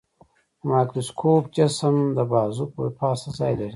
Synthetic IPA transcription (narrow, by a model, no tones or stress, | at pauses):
maːkɾoskʰoːp̚t͡ʃɐsəmd̪əbaːzupopʰaːsɐzaːjlɐɾi